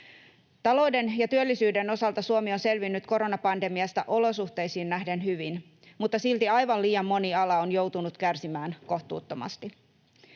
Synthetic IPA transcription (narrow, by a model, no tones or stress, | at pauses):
t̪ɑlo̞idenjɑt̪yølːisyːde̞no̞sɑlt̪ɑsuomio̞nse̞lʋinːyt̪ko̞ɾo̞nɑpɑnde̞miɑst̪ɑ̰ʔo̞lo̞suht̪e̞jsiːnːæhde̞nhyʋin | mut̪ːɑsilt̪iɑjʋɑliːjɑmːo̞niɑlɑonjo̞wt̪unut̪kærsimæːnko̞ht̪ṵːt̪ːo̞mɑ̰st̪i